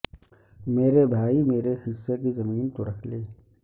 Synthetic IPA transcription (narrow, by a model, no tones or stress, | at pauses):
meːɾebʱaːimeːɾehɪsːek̬izɐmiːnt̪oɾɐkʰleː